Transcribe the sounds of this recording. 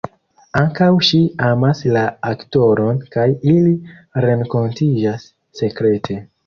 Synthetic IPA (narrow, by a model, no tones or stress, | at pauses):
aŋkawʃiamaslaakto̞ɾo̞nkajiliɾe̞ŋko̞ntid͡ʒasː | e̞kɾe̞tʰe̞